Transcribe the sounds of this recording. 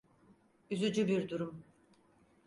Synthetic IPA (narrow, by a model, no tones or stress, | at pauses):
yzyd͡ʒybiɾd̪uɾum